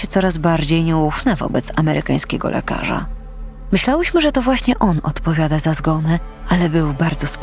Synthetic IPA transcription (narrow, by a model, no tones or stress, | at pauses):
ɛt̪sɔɾazbaɾd͡ʑejɲɛwufnɛvɔ̰bɛt̪samɛɾʔɘkaj̃skʲɛ̰ɡɔ̰lʔɛ̰ka̰ʐa̰ | mɘɕlawɘɕmɘʐɛt̪ɔvwaɕɲɛʔɔnɔ̰t̪pɔvʲjad̪azazɡɔnɛ | alɛbɘwbaɾd̪zɔsp